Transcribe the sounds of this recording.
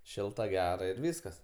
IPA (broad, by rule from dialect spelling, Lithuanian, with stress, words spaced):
ˈʃʲɪlˠtɐ ˈɡʲæːrɐ ɪr ˈʋʲiːskɐs